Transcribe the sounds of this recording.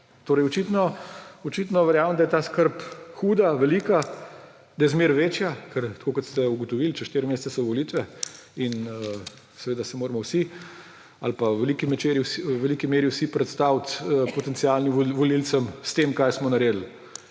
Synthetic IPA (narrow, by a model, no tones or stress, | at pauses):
t̪oːɾɛjɔt͡ʃit̪nɔɔt͡ʃit̪nɔʋɛɾjaːməmd̪ajɛt̪askəɾpxuːd̪aʋɛliːka | d̪ajɛzmeɾʋeːt͡ʃjakəɾt̪kokɔt̪st̪ɛuɡɔt̪ɔʋilt͡ʃɛʃt̪eːɾmeːssɛsɔʋɔlit̪ʋɛinə | sɛʋeːd̪asɛmoːɾmɔwsi | alpaʋɛlikimɛt͡ʃeɾiwsʋɛlikimeːɾiwsipɾɛt̪st̪awt̪əpɔt̪ɛnt̪sialnimʋɔlilsəmst̪eːmkajsmɔnɐɾeːd̪l̩